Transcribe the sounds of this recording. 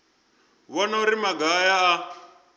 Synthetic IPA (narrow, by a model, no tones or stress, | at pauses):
βɔnauɾimaɡajaː